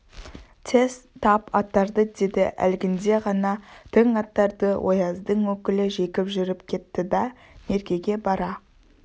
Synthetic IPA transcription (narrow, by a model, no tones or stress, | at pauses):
t̪ʰe̞st̪ʰːɑpɑt̪ːɑɾd̪əd̪e̞d̪ɪʔæ̰lɡʲɪnd̪e̞ʁɑnɑt̪ʰəɴɑt̪ːɑɾd̪əwʔo̞̰jɑzd̪əɴwɵkʲɪlɪʒe̞kʲɪpʒʏɾɪpkʲʰe̞t̪ːɪd̪ɑ | me̞ɾɡʲe̞ɡʲe̞bɑɾɑ